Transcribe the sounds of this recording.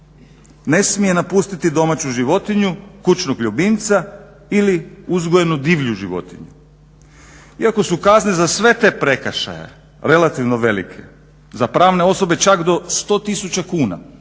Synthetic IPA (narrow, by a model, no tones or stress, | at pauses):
ne̞smije̞napust̪it̪id̪o̞mat͡ɕuʒiʋo̞t̪iɲukut͡ʃnoɡʎubint̪sa | iliuzɡoje̞nud̪iːʋʎuʒiʋo̞̰t̪iɲu | iako̞sukaznezasʋe̞t̪e̞ːpɾe̞kaʃa̰jḛ | ɾe̞lat̪iʋno̞ʋe̞lḭkʰe̞̰ | zapɾaːʋne̞o̞so̞be̞t͡ʃakd̪o̞st̪o̞ːt̪isut͡ɕakuːna̰